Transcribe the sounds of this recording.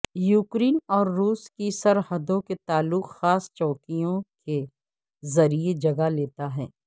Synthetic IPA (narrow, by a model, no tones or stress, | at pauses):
juːkɾiːnɔːɾːuːskisɐɾhəd̪õket̪aːlːʊqxaːst͡ʃɔːkijõke | zɐɾied͡ʒɐɡaleːt̪aɦɛː